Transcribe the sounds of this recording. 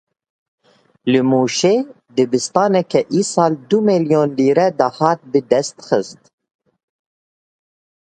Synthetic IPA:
lɨmuːʃeː | d̪ɨbɨst̪ɑːnɛkɛʔiːsɑːld̪umeljoːnliːɾɛd̪ɑhɑːt̪̚bɨd̪ɛst̪xɨst̪

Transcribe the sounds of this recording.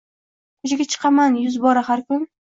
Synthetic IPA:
kʰʊʃɪɡʲat͡ʃʰɨ̥qʰɑmanjʊzbɒɾahaɾkʰʊn

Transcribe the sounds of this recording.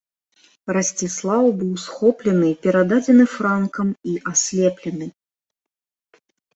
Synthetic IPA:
rɐsʲt͡sʲislˠawbɨwsxɔplʲɛnɨpʲɛɾad̪ad͡zʲɛnɨfɾankɐmiʔasʲlʲɛplʲɛnɨ

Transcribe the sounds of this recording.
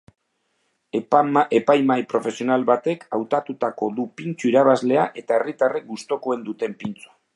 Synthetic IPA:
e̞pajmajpɾo̞fe̞sio̞nalβat̪e̞kawt̪at̪ut̪ako̞ðupint͡suiɾaβ̞azle̞aʔe̞t̪ae̞rit̪are̞k̚ɡust̪o̞ko̞e̞nd̪ut̪e̞mpint͡su̥

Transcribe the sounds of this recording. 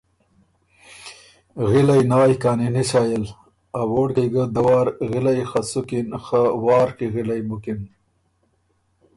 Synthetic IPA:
ɣilajnaːjkaːniniɕaːjel | awoːɽkejɡəd̪ɐwɑːɾɣilajxasukinxawɑːɾkiɣilajmukin

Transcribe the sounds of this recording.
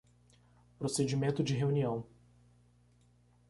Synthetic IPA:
pɾosed͡ʒimẽnt̪ʊd͡ʒɪɦeuniɐ̃w̃

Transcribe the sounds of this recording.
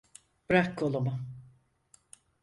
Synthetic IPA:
bɾakːolˠumʊ

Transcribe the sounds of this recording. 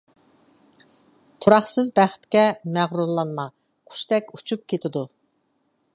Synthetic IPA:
t̪ʰuɾɑχsɨzbæχt̪kʲɛmæʁɾuɾlˠɑnmɑ | qʰʊ̥ʃt̪ɛkʲut͡ʃʰup̚kʲʰet̪ʰɪd̪u

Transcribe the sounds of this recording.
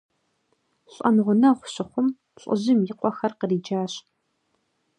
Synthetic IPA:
ɕʼɐ̰nʁʷʊnɐʁʷʊɕɪχʷʊm | ɕʼʊ̰ʑɪmjɪqʷʼɔxɐrqəriːd͡ʒaːɕ

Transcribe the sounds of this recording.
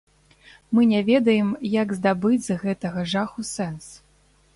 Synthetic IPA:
mɨnʲɛvʲɛd̪ɐjɛmjaɡzd̪abɨd͡zʲzɣɛt̪ɐɣɐʐaxusɛns

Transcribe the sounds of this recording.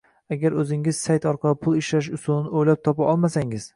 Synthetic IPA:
aɡʲaɾɵzɪŋɪz̥sajt̪ɒɾqʰɑlˠɪpʰʊlˠɪʃlaʃ̬ʊsʊlˠnɪojlap̚t̪ʰɒpaʔɒlˠmasaŋɪz̥

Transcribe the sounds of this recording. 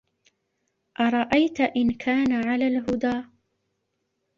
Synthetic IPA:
ʔɑɾˤɑʔajt̪ʔɪnkʰaːnaʕalaːlɦʊd̪aː

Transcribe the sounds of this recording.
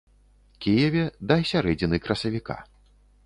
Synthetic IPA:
kʲijɛvʲɛd̪ɐsʲaɾɛd͡zʲinɨkɾɐsɐvʲika̰

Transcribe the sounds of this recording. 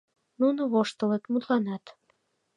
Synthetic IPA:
nunoβoʃt̪ə̆let̪mut̪lɑnɑt̪

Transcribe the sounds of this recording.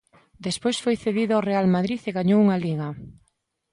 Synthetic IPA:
d̪espojsfojθeðiðʊarealmaðɾiθeɣaɲowuŋaliɣɐ

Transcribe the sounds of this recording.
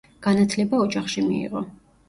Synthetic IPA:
ɡ̥anat̪ʰlɛbaɔd͡ʒaχʃimḭḭʁɔ

